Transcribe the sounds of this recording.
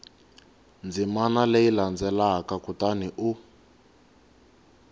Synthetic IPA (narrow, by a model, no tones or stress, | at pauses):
nd͡zimanaleiland͡zɛlakakutaniʔu